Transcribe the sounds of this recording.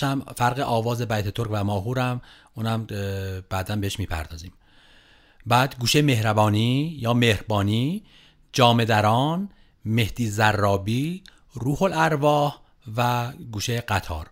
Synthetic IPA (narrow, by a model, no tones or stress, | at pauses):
æmfæɾɣeʔɒːvɒːze̞bæjt̪ʰet̪ʰoɾkvæmɒːɦuːɾæmʔuːnæmb̥æːd̪æmbeeʃmiːpʰæ̰ɾd̪ɒːziːm | bæːd̪ɡuːʃeme̞hɾæbɒːniːjɒːmehɾbɒːniː | d͡ʒɒːme̞d̪æɾɒːn | me̞hd̪̥iːzærːɒːbiː | ɾuːholæɾvɒːh | væɡuːʃeɢæt̪ʰɒ̰ːɾ